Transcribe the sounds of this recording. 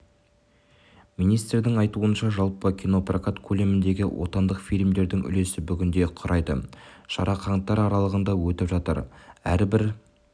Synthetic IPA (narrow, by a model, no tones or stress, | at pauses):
minijst̪d̪ɪŋɑjt̪uənʃɑʒɑlˠpəkʲʰino̞prakat̪kʲʰɵle̞mɪnd̪e̞ɡʲɪwʔo̞̰t̪ɑnd̪əqfijlʲmd̪e̞ɾd̪ɪŋʏ̰le̞sɪbʏɡʲɪnd̪e̞qʰʊɾʔɑjd̪ə̰ʃɑ̰ɾɑqʰɑɴt̪ːɑɾɑɾɑlˠəʁənd̪ɑwɵt̪ɪpʒɑt̪ə̰ɾæɾbɪɾ